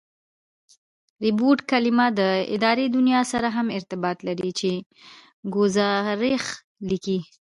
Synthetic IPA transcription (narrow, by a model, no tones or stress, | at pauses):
ɾɪboʈkalɪmad̪əɪ̰d̪ɑɾed̪unjɑsaɾaɦamɪɾt̪ɪbɑt̪laɾit͡ʃe | ɡozɑɾex | liki